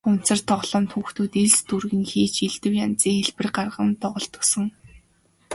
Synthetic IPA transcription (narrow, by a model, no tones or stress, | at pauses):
ʊn̥t͡sə̆r̥t̪ʰɔʁɮ̥ɞ̆mt̪ʰxuːxt̪ʰuːt̪eɮt͡st̪urɣɘ̆ŋxiːt͡ɕiɮt̪ɘ̆wjant͡siːŋxeɮpɘ̆rɢarʁə̆nt̪ɔʁɞ̆ɬt̪ɞ̆ksɞ̆ŋ